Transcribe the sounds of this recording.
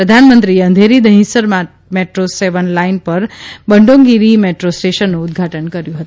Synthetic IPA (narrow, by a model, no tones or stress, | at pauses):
pɾəd̪ʱanmənt̪ɾieə̃nd̪ʱeɾid̪əɦĩsəɾmã | meʈɾoseʋənlainpəɾbəɳɖõŋɡiɾimeʈɾosʈeʃənːũʊd̪̚ɡʱaʈənkəɾjũɦət̪ũ